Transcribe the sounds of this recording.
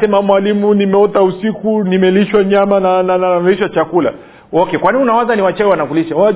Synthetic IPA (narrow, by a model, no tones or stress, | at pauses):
sɛmamwalimunimɛɔtausikunimɛliʃwaɲamanananamɛiʃwat͡ʃakula̰ | ɔkɛkwaninunawazaniwat͡ʃɛɛwanakuliʃawaa